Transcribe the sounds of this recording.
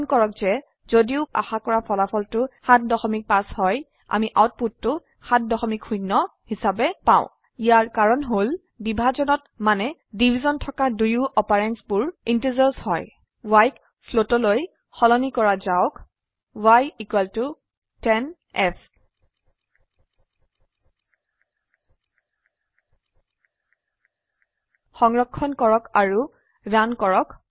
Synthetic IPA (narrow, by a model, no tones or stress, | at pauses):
nkɔɹɔk̚z̥ɛ | zodiʊa̰xakɔɹapʰɔlapʰɔltʊxat̚dɔxɔmik̚pashɔj | a̰miʔawt̚pud̚tːʊ | xat̚dɔxɔmikʰxujnːɔhisabɛpã̰ʊ̃ | ijaɹkaɹɔnɦol | bibʱazɔnɔt | manɛdibʱizɔntʰɔkadujuʔɔpaɹɛnsbʊɹintəzɔɹshɔj | wajk | pʰlotɔloj | xɔlɔnikɔɹazaʊk | wajikwɛltu | tɛn | ɛpʰ | xɔŋɹɔkʰːɔnkɔɹɔkaɹu | dankɔɹɔk